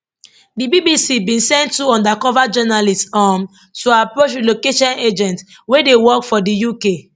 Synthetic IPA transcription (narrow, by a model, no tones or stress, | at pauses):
dibibisibĩnsɛ̃ntːuɔ̃ndakɔvad͡ʒɔnalistsam | tuapɹot͡ʃlokeʃɔ̃ned͡ʒɛ̃nt | wedewɔkfɔdijuke